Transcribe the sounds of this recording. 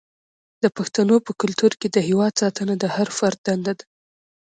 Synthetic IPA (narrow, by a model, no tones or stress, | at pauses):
d̪̥əpaxt̪anopəkʊlt̪uɾked̪əhewɑd̪̚sɑt̪ənad̪əhaɾfaɾt̪̚d̪and̪ad̪a